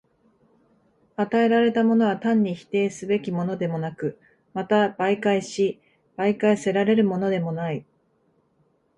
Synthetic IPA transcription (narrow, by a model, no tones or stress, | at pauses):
at̪ae̞ɾaɾe̞t̪amo̞no̞βat̪ãɲ̟ːiçi̥t̪e̞ːsɨbe̞kʲimo̞no̞d̪e̞mo̞nakɯ̟ | mat̪abaikaiɕi | b̥aikaise̞ɾaɾe̞ɾɯ̟mo̞no̞d̪e̞mo̞nai